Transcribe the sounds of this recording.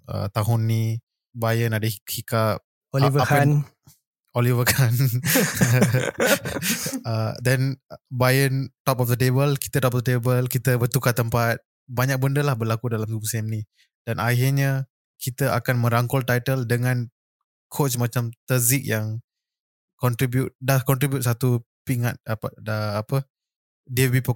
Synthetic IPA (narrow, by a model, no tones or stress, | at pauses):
ʔə̰t̪aɦʊnːi | bajənadəihikap̚ | olivəan | olivəkʰan | ədɛnbajənt̪ɔpɔfd̪ətebəlki̥t̪ət̪ɔpɔfdətebəlkit̪əbərt̪ukat̪əmpat̪̚ | baɲak̚bəndəlahbərlakudalamɡuŋsemni | d̥anʔahirɲa | kʰit̪əʔa̰kanmə̃ɾaŋkɔlt̪ajt̪əldəŋãn | kʰot͡ʃmat͡ʃamt̪əzik̚jaŋ | kɔnt̪ɾibjut̪̚dahkɔnt̪ɾibjut̪̚sat̪u | piŋat̪̚əːpə | diəbipə